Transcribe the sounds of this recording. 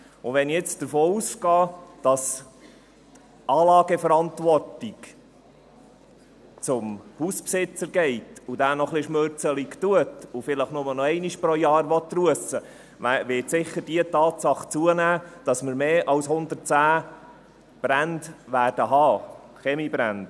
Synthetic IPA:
ʊʋɛniɪt͡sd̥əɾfoːuːsɡɑːd̥ɑs | t | ɑːlɑːɡəfəɾɑnt̪ʋɔrtik | t͡sʊmhuːspsɪt͡səɾɡɛɪtudæːnɔχlɪʃmøɾt͡səlikt̪uət̪ufɪləχnʊmənɔɛɪniʃpɾɔjɑːɾʋɔt̪ːruəsə | ʋæʋɪtsɪχːəɾd̥iətɑːtsɑχt͡suənæːd̥ɑsməɾmeːʔɑwshʊnd̪ərt͡sæː | b̥ɾændʋæːrd̥əɦɑː | χɛmibɾænd̥

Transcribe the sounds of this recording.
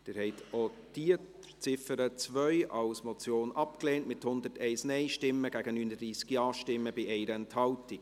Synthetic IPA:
d̥ɪːɾhɛɪtʰo | d̥iə | t͡sɪfəɾət͡svœʏɑlsmɔt͡sjoːnʔɑpkleːntmɪthʊnd̪ətɛɪsnɛɪʃtɪmːəɡ̥æɡ̥ənyːnədɾiːsɡ̥jɑːʃtɪmːəbɪʔɛɪɾəɛnthɑltɪk

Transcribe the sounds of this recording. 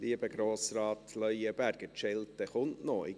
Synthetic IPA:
liəbəɡ̥ɾoːsrɑːt̪ʰlœʏəbæɾɡ̥ətʃɛlt̪əχʊntnoɪ̰

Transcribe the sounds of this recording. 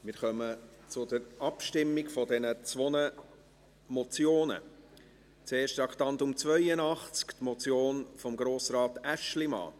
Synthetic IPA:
mɪɾχœmət͡sʊdəɾɑpʃtɪmːɪɡfɔdɛnət͡sʋɔnə | mɔt͡sjoːnə̰ | t͡seːʃtɑkt̪ɑntʊmt͡svœjənɑχt͡skt̪mɔt͡sjoːnfɔmɡɾoːsɾɑːtæʃlimɑ̰ː

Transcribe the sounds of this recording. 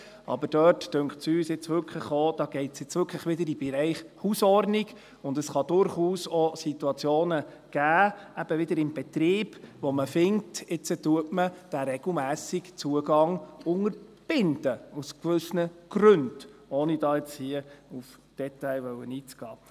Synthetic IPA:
ʔɑ̰bəɾd̥œːttøŋkχtsyːsɪt͡sʋʏɾkʰləχod̥̪ɑːɡ̥ɛɪtsjɪt͡sʋʏɾkʰləχʋɪd̪əɾibɛɾɛɪχhusɔrdniɡ | ʊndəsχɑd̥ʊɾχuːsɔsit̪uɑt͡sjoːnə | ɡ̥æːæb̥əʋɪd̪əɾɪmb̥ɛt̪ɾiːb̥ʋɔməfɪŋ̚tɪt͡sətuətməd̥æɾɛɡ̥l̩mæːsiɡt͡suəɡɑŋʊŋəɾb̥ɪnd̥̪əuskʋʏsnəɡ̥ɾɵnd̥ɔːnid̥ɑːɪt͡shiəuf | d̥ɛt̪ɛɪʋœwəniːt͡sɡ̥ɑː

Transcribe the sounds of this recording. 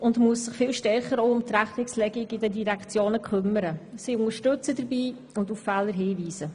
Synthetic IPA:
ʊndmuəsːɪχfɪlʃtɛɾχəɾoʊʊmtɾæχnɪkslɛɡɪɡɪdədiɾɛkt͡sjoːnəkχʏmːəɾəsiːʊnəɾʃtɵt͡sədəɾbiː | ʊnduffɛːləɾɦiːviːzə

